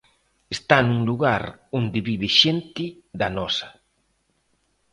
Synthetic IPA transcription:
est̪anuŋluɣaɾond̪ɪβiβeʃent̪ɪ | ðanɔsḁ

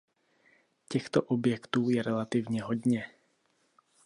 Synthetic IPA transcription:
cɛxt̪oʔobjɛkt̪uːjɛɾɛlat̪ɪvɲɛɦod̪ɲɛ

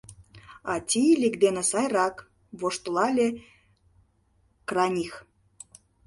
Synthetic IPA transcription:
ɑtʲijlʲikd̪enĕsɑjrɑk | βoʃt̪olɑlʲe | krɑnʲix

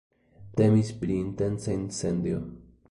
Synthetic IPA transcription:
t̪emispɾiːnt̪enseinsend̪jo

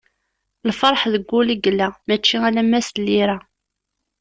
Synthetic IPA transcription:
lfɑɾˤħðəɡʷːʊliɡlːæmæt͡ʃːiælæmːæslːiɾæ

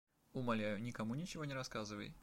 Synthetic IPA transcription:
umalʲajʊnʲikamunʲit͡ʃɛvɔnʲɛɾaskazɨvɐ̰j

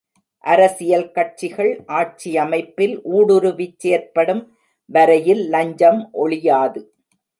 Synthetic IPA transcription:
ʔɐɾɐsɪjɐlkɐʈ̚t͡ʃːɪɣɐɭʔaːʈ̚t͡ʃijɐmɐɪpːɪlʔuːɽɯɾɯʋɪt͡ʃːeːɾpːɐɽɯm | ʋɐɾɐjɪlːɐɲd͡ʒɐmʔɔɭɪjaːðɯ

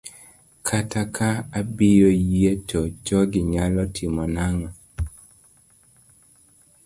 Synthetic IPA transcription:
kʰatʰakʰaːbɪjojietʰod͡ʒɔɡɪɲalɔtʰɪmɔnaŋɔ

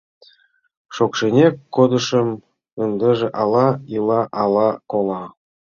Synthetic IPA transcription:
ʃokʃenʲekːod̪ɤ̆ʃɤ̆m | ɤnd̪ɤ̆ʒĕʔɑlˠɑilˠɑʔɑlˠɑkolˠɑ

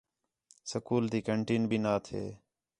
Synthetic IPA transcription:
səkuːld̪iːkəɳʈiːnbʱiːnaːt̪ʰḛː

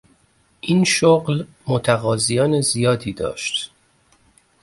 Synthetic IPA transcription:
ʔiːnʃoɣl | mot̪ʰæɣɒːzijɒːnezijɒːd̪iːd̪ɒ̰ːʃt̪

